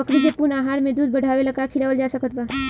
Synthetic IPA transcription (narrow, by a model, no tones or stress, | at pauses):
əkɽikepunaːɦaːɾmẽd̪uːd̪̚bəɽ̤ʱaːʋelɐɡakʰɪɽaːʋəld͡ʒaːsəkət̪̚baː